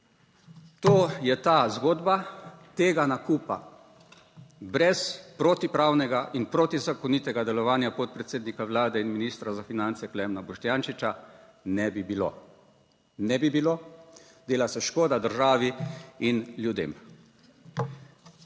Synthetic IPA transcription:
t̪oːjɛt̪aːzɡoːd̪bat̪eːɡanakupa̰ | bɾɛspɾoːt̪ipɾaːwnɛɡaʔinpɾoːt̪izakɔniːt̪ɛɡad̪ɛlɔʋaːnjapot̪̚pɾɛt̪seːd̪nikaʋlaːd̪ɛinminiːst̪ɾazafinant̪sɛklɛmnabɔʃt̪jaːnʃit͡ʃa | nɛbibilo̰ | nɛbibilo | d̪eːlasɛʃkoːd̪ad̪əɾʒaːʋiinljud̪ḛːm

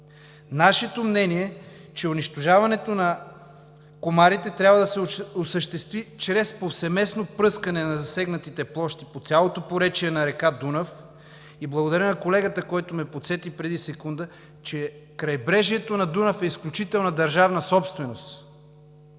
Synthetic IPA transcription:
naʃɛt̪omnɛniɛ | t͡ʃɛʊniʃt̪oʒavɐnɛt̪onɐ | komaɾit̪ɛt̪ɾʲabvəd̪ɐsɛosəʃt̪ɛst̪vit͡ʃɾɛspofsɛmɛsnopɾɤskɐnɛnɐzɐsɛɡnɐt̪it̪ɛplˠɔʃt̪i̥pot̪sʲjalˠot̪opoɾɛt͡ʃiɛnɐɾɛkad̪unɐf | iblˠɐɡod̪ɐɾənɐkolɛɡət̪əkɔjt̪omɛpot̪sɛt̪ipɾɛd̪isɛkund̪ə | t͡ʃɛ | kɾɐjbɾɛʒiɛt̪onɐd̪unɐfɛisklʲut͡ʃit̪ɛlˠnɐd̪ɐɾʒavnɐsɔpst̪vɛnost̪

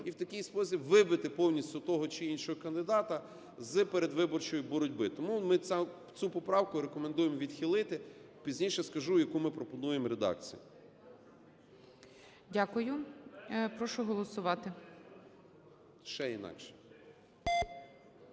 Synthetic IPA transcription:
iwt̪ɐkɪjspɔsʲibʋɪbɪt̪ɪpɔwnʲisʲtʲʊt̪ɔɦɔt͡ʃɪinʃɔɦɔkɐnd̪ɪd̪ɑt̪ɐ | zpeɾed̪ʋɪbɔrt͡ʃɔjʊbɔɾɔdʲbɪt̪ɔmumɪ | t͡sʲupɔpɾɑwkʊɾekɔmend̪ujemʋʲid̪xʲilˠɪt̪ɪpʲizʲnʲijʃɛskɐʒujɐkumɪpɾɔpɔnujemɾed̪ɑ̰kt͡sʲijʊ̰ | dʲakʊjʊ | pɾɔʃʊɦɔlˠɔsʊʋɑt̪ɪ | ʃɛinɑ̰kʃɛ̥

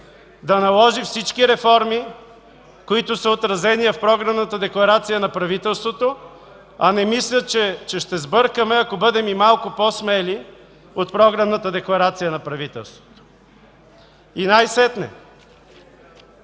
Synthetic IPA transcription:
d̪ɐnɐlˠɔʒifsit͡ʃkiɾɛfɔɾmi | koit̪ʊsəot̪ɾɐzɛnijəfpɾɔɡɾɐvnət̪əd̪ɛklˠɐɾat̪sijənɐpɾɐvit̪ɛlˠst̪vot̪o | ɐnɛmislʲət͡ʃɛt͡ʃɛʃt̪ɛzbɤɾkəmɛɐkobɤd̪ɛmimalˠkopɔsmɛli | ot̪pɾɔɡɾəvnət̪əd̪ɛklˠɐɾat̪sijənɐpɾɐvit̪ɛ̰lˠst̪vo̥t̪o̥ | inajsɛt̪nɛ̰

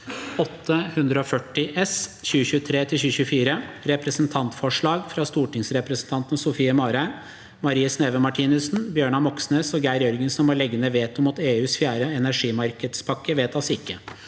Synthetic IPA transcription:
ɔt̪ʰːəhʉnd̪ɾəɔfœʈːɪʔɛsçʉːəçʉət̪ʰɾeːt̪ʰɪlçʉːɕʉːəfiːɾəɾɛpɾəsnt̪ʰɑnt̪fɔʂɭɑːɡfɾɑst̪uːʈɪŋsɾɛpɾəsn̩t̪ʰɑnt̪n̩sʊfiːəmɑːɾæɪ | mɑɾiːəsneːʋəmɑʈʰiːnʉsnbjøːɳɑmɔksneːsɔɡæɪɾjɔɾɡənsɔmʋɑɭɛɡənəʋeːt̪ɔmɑt̪eːʉːsfjæːɾəɛnæʂiːmɑɾkəd̪spʰɑkːəʋeːt̪ɑsɪkːə

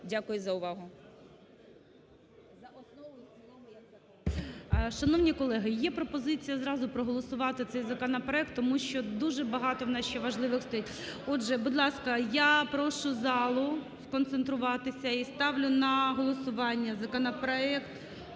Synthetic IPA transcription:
dʲakʊjʊzɐʊʋɑɦʊ | ɐɔnɔ | ʃɐnɔʋnʲikɔlˠɛɦɪjɛpɾɔpɔzɪt͡sʲijɐzɾɑzʊpɾɔɦɔlˠɔsʊʋɑt̪ɪt̪sɛjzɐkɔnɐpɾɔɛk̚t̪ːɔmuʃt͡ʃɔd̪uʒɛbɐɦɑt̪ɔʋnɑsʃt͡ʃɔʋɐʒlˠɪʋɪxst̪ɔjʲitʲ | ɔdʒɛbʊd̪lˠɑskɐjapɾɔʃʊzɑlˠʊ | skɔnt̪sent̪ɾʊʋɑt̪ɪsʲɐist̪ɑʋlʲʊnɐɦɔlˠɔsʊʋɑnʲːɐzɐkɔnɐpɾɔɛkt̪

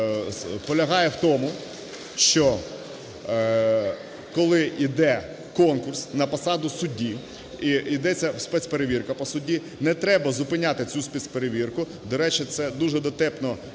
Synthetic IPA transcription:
pɔlʲɐɦɑjɛwt̪ɔmʊ | ʃt͡ʃɔ | kɔlˠɪʔid̪ɛ | kɔnkʊrsnɐpɐsɑd̪ʊsʊdʲːi | iid̪ɛt͡sʲːɐwspɛsʲpeɾeʋʲirkɐpɔsʊdʲi | nɛt̪ɾɛbɐzʊpɪnʲat̪ɪt͡sʲuspʲisʲpeɾeʋʲirkʊ | d̪ɔɾɛt͡ʃɪt̪sɛd̪uʒɛd̪ɔt̪ɛpnɔ

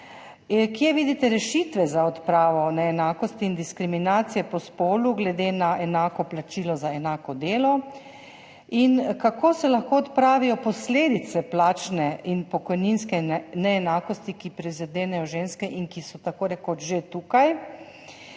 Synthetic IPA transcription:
kjɛʋiːd̪it̪ɛɾɛʃit̪ʋɛzaɔt̪pɾaːʋɔnɛːnaːkɔst̪iːnd̪iskɾiminaːt̪sijɛpɔspoːluɡlɛd̪enaʔɛnaːkɔplat͡ʃiːlɔzaɛnaːkɔd̪eːlɔ | inkakoːsɛlaxkoɔt̪pɾaːʋijɔpɔsleːd̪it̪sɛplaːt͡ʃnɛinpɔkɔjninskɛnɛːnaːkɔst̪ikipɾizad̪eːnɛjɔʒeːnskɛʔinkisɔt̪akoːɾɛkɔʒet̪uːkaj

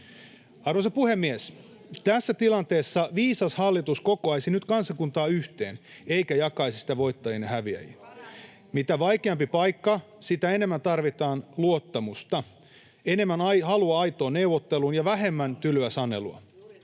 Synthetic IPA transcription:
ɑrʋosɑpuhe̞mːies | t̪æsːæt̪ilɑnt̪e̞ːsːɑʋiːsɑshɑlːit̪usko̞koɑjsinyt̪kɑnsɑkunt̪ɑːyht̪e̞̰ːn | e̞ikæjɑkɑisisit̪æʋo̞it̪ːɑjinɑɦæʋiæ̰ji | mit̪æʋɑjkeɑmpipɑjkːɑ | sit̪æene̞mːænt̪ɑrʋit̪ɑːnluot̪ːɑmust̪ɑ | e̞ne̞mːænɑjhɑluɑɑjt̪o̞ːnne̞uʋot̪ːe̞lunjɑʋæɦe̞mːænt̪ylyæsɑnːe̞̰luɑ̰

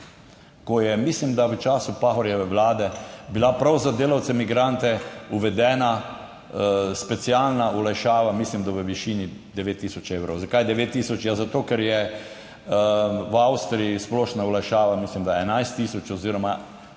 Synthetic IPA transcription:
kɔjɛmislimd̪aʋət͡ʃaːsupaxɔɾjaʋəʋlaːd̪ɛbilapɾawzad̪eːlawt̪sɛmiɡɾant̪ɛuʋɛd̪ɛːna | spɛt̪sialnaulajʃaːʋamislimd̪aʋəʋiʃinid̪ɛʋeːt̪ːisɔt͡ʃeːwɾowzakajd̪ɛʋeːt̪ːiːsɔt͡ʃjazat̪oːkɛɾjɛ | wawst̪ɾiisplɔːʃnaulajʃaːʋamislimd̪aɛnajst̪ːisɔt͡ʃɔziɾɔma

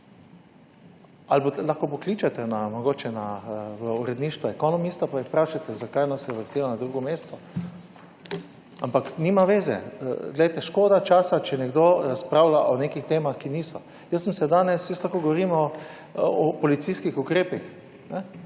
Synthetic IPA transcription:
albot̪laxkopɔkliːt͡ʃat̪ɛnamɔɡoːt͡ʃɛnaʋəuɾɛd̪niːʃt̪ʋɔɛkɔnɔmist̪apajixpɾaːʃat̪ɛzakajnasɛʋəɾst̪ilanad̪ɾuːɡɔmeːst̪ɔ | ampaknimaʋeːzɛ̰ɡlɛjt̪ɛʃkoːd̪at͡ʃaːsat͡ʃɛnɛɡd̪oɾaspɾaʊlaʔɔneːkixt̪eːmaxkiniːsɔ | jəsːəmsɛd̪aːnɛsjəslaxkoːɡɔʋɔɾiːmɔː | pɔlit̪siskixukɾeːpix | nɛ

